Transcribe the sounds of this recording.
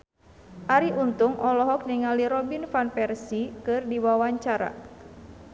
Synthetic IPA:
ʔaɾiʔunt̪uŋʔɔlɔɦɔk̚niŋaliɾɔbinfanpɛrsikɨrdiwawaɲt͡ʃaɾa̰

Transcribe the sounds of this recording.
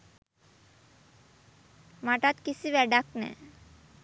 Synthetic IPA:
maʈat̪kit͡ɕʰibɛɖaknɛ̰

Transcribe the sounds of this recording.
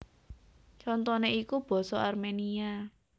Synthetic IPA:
t͡ʃɔnt̪ɔneikub̥ɔ̤sɔarmenia

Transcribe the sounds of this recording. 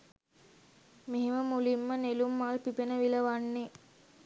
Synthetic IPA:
meɦeməmulimːənelumːaːlpipenəʋiləʋanːe

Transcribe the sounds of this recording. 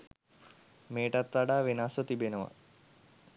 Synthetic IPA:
meːʈat̪ʋaɖaːʋenasət̪ibenəʋa̰

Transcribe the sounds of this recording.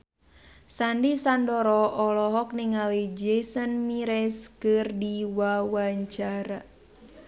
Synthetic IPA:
sandisandɔɾɔʔɔlɔɦɔk̚niŋalid͡ʒɛsənmiɾɛskɨrdiwawaɲt͡ʃaɾa

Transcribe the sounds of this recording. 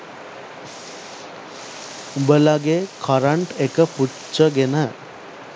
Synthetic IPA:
bəlaɡekʰaɾəɳʈekəpu | t͡ʃːəɡenə

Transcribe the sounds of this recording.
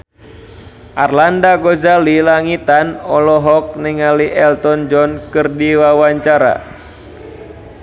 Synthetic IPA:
ʔarlandaɡɔzalilaŋit̪anɔlɔɦɔk̚niŋaliʔɛlt̪ɔnd͡ʒɔnkɨrdiwawaɲt͡ʃaɾa̰

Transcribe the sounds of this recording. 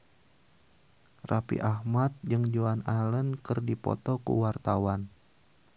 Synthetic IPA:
rapḭʔahmat̪̚d͡ʒɨŋd͡ʒoanalənkərdipɔ̰t̪ɔkṵwart̪awan

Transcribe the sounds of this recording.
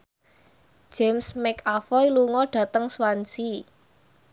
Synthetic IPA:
ʒ̥emsmɛkafɔjluŋɔɖ̥ä̤t̪əŋswansi

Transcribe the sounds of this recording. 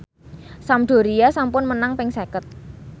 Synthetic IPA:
samɖ̪̥o̤ɾijasampʊnmənaŋpɪŋsekət̪̚

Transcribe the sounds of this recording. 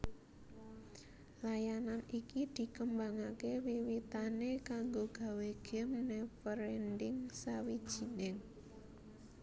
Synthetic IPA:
lajananikid̪̥i̤kəmbaŋakewiwit̪anekaŋɡoɡ̥ä̤weɡ̥ɛ̤mnɛfəɾendɪŋsawid̥ʒ̥i̤nɪŋ

